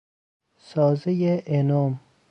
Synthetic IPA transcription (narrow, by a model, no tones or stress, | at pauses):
sɒːzejeʔenɒːm